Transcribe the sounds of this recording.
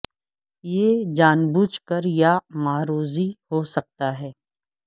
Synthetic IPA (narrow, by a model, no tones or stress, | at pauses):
jeːd͡ʒaːnbuːt͡ʃkəɾjamaːɾuːzihoːsɐk̚t̪aɦɛː